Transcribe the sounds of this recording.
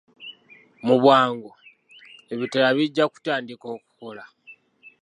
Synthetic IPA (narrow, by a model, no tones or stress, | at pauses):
muβwaːŋɡo | e̞βitalaβiɟːaku̥taːndiko̞ːku̥ko̞la